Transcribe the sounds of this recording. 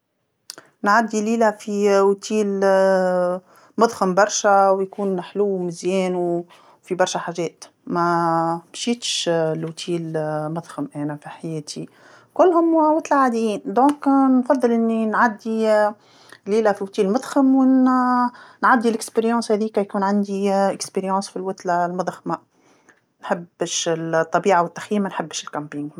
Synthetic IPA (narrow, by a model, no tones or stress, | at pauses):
nʕad̪ːiliːlæfiwt̪ʰiːl | mʊd̪ˤxəmbɑɾˤʃæwjkuːnħluːmɪzjɛːnu | fibɑɾˤʃæħaːʒɛːt̪ | mæmʃiːt̪ʃlwt̪ʰiːlmʊd̪ˤxəmʔɛːnæfiħajɛːt̪ʰi | kʊlːhʊmwwɑt̪ˤlaʕad̪jiːnd̪õːknfɑðˤːɨlʔɪnːinʕad̪ːi | liːlæfiwt̪iːlmʊd̪ˤxəmw | nʕad̪ːilɪkspeɾjɑ̃ːshɛːðiːkæjkuːnʕand̪iɪkspeɾjɑ̃ːsfilwʊt̪lalmʊd̪ˤxma | nħɪbʃɪt̪ˤːɑbiːʕawɪt̪ːḁxjiːmænħɪbːʃɪlkampiŋɡ